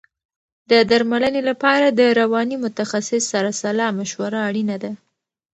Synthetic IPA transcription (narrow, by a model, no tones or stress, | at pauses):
d̪əd̪aɾmalənelapɑɾad̪əɾawɑnimʊt̪axasɪsːaɾasalɑmaʃwaɾaːɽinad̪a